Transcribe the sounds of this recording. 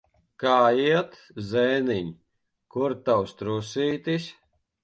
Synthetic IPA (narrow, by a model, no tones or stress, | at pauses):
kaːiɛt̪ | zɛjniɲʲ | kuɾt̪awst̪ɾusiːt̪isʲ